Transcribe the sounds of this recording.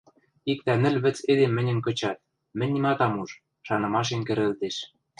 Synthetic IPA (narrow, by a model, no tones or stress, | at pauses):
ik̚t̪ænɘ̆lʲβɘ̆t͡sed̪emːɘ̆nʲɘ̆mkɤ̆t͡ɕɑt̪̚ | mɘ̆nʲːimɑt̪ɑmuʒ | ʃɑnɤ̆mɑʃ̬enkɘ̆ɾɘ̆lt̪eʃ